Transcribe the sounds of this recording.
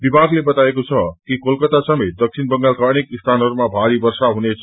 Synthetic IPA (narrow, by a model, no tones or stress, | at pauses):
bibʱaɡlebʌt̪aekot͡sʰʌkikolkʌt̪asʌmet̪̚d̪ʌk̚sʰinbʌŋɡalkanekist̪ʰanɦʌɾumabʱaɾibʌrsaɦunet͡sʰʌ